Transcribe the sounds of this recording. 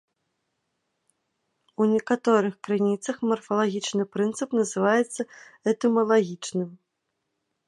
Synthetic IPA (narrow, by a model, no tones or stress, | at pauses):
unʲɛkat̪ɔɾɨxkɾɨnʲit̪sɐxmɐrfɐlˠaɣʲit͡ʂnɨpɾɨnt̪sɨpnɐzɨvajɛt̪sːɐɛt̪ɨmɐlˠaɣʲit͡ʂnɨm